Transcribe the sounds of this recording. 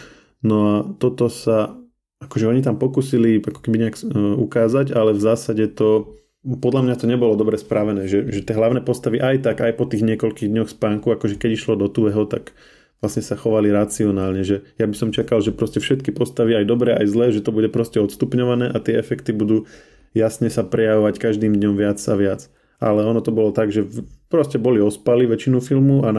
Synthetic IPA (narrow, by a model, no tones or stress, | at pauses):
nɔat̪ɔt̪ɔsa | akɔʒɛɔɲit̪̬ampɔkuːsiliakɔ̥kɛbiɲɛakukaːzaɟalɛvzaːsaɟɛt̪ɔ | pɔd̪ʎamɲat̪ɔɲɛbɔlɔd̪ɔbɾɛspɾaʋɛnɛːʒɛʒɛt̪ɪɛɦlaʊnɛːpɔst̪aʋiʔajt̪akajpɔt̪iːɣɲɛkɔʎkiːɣd̪ɲɔxspaːŋkuakɔʒɛkɛɟiʃlɔd̪ɔt̪uʋɛɦɔt̪a̰ɡ | ʋlasɲɛsaxɔʋaliɾat͡siɔnaːlɲɛʒɛjabisɔmt͡ʃakalʒɛpɾɔscɛfʃɛt̪̚kipɔst̪aʋiajd̪ɔbɾɛʔajzlɛːʒɛt̪ɔbuɟɛpɾɔscɛɔt̪st̪upɲɔʋanɛːʔat̪ɪɛɛfɛkt̪ibud̪uː | jasɲɛsapɾɛjaʋɔʋackaʒd̪iːmd̪ɲɔmʋɪat͡saʋɪat͡s | ʔa̰lɛɔnɔt̪ɔbɔlɔt̪aɡʒɛpɾɔscɛbɔliɔspaliʋɛt͡ʃinufilmuan